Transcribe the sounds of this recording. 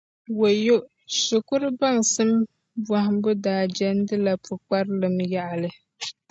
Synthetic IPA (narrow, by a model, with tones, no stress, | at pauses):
wo˨jo˦ | sʊ˨kʊ˦ɾɨ˦ba˦˨ŋsɨ˦m | bwa˨hɪ˨m˦bʊ˦daː˨d͡ʒɛ˦n˦dɨ˦la˨pʰʊ˨k͡pa˦ɾlɨ˨mja˦ʔa˨lɨ˨